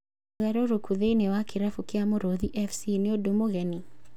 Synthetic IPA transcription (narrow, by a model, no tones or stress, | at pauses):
ɣɛɾoɾokʰuðeinewakeɾafukeamoɾoðiʔɛfsineodomoɣɛni